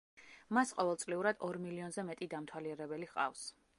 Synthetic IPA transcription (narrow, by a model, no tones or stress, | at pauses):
masqʼɔvɛlˠt̪sʼliuɾad̪ɔɾmiliɔnzɛmɛt̪ʼid̪amt̪ʰwaliɛɾɛbɛliqʼa̰fs